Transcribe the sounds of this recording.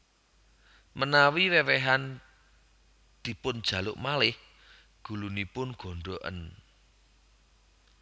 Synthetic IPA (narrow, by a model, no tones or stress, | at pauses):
mənawiwewɛɦan | d̪̥i̤pʊnd̥ʒ̥ä̤lʊ̰ʔmalɪh | ɡ̥ṳlunipʊnɡ̥o̤ɳɖoʔə̰n